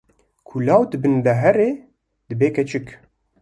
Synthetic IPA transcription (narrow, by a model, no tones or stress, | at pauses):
kʰulaːwd̪ɨbɨnlɛɦɛɾeː | d̪ɨbeːkʰɛt͡ʃʰɨk